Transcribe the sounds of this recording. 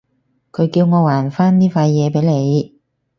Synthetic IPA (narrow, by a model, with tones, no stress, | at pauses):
kʰɵ˨˧ɥkiː˧wŋɔː˨˧waː˨˩nfaː˥nniː˥faː˧jjɛː˨˧pe˨˥jle˨˧j